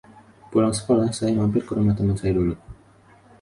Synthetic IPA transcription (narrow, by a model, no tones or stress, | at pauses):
pulaŋsə̥kolahsajamampɪlkəɾumat̪əmənsajadulu